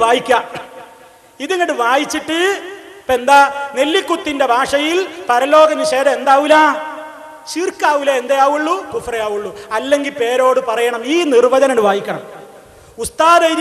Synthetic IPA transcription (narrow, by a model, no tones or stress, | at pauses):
ʋaːjikʲːa | iðiŋːɐɽɨʋaːjit͡ɕːiʈːɨpe̞nd̪ɐne̞lːikːut̪ːinde̞bʱaːʂɐjilpɐɾɐlo̞ːɡɐnːuɕeːɾɐend̪aːʋilaː | t͡ɕirkːaːʋilɐend̪ɐjaːʋuɭːut̪ufrɐjaːʋuɭːuɐlːe̞ŋɡilpe̞ːɾo̞ːɽɨpɐrɐjɐɳɐmiːnirbɐðɐnɐɳɨʋaːjikʲːɐɳɐm | ust̪aːðɐjɾ